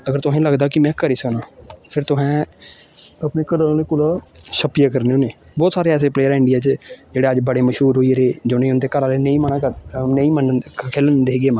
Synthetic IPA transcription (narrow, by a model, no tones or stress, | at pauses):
əɡəɾt̪ʊɦɛ̃ːləɡd̪aːkɪmɛ̃ːkəɾiːsəknãːpʰɪɾt̪ʊɦɛ̃ː | əpneːkəɾəlːneːkʊlaːʃəpijaːkəɾneõːneː | bɔːt̪saːɾeːɛːs̬eːpleːəɾɪɳɖɪjaːt͡ʃd͡ʒeːɽeːəd͡ʒbəɽeːməʃɦuːɾɦoːiɾeːd͡ʒoːnẽːʊnd̪eːkəɾaːleːnẽĩːmənaːneĩːmənkʰeːlnd̪eːɡeːmãː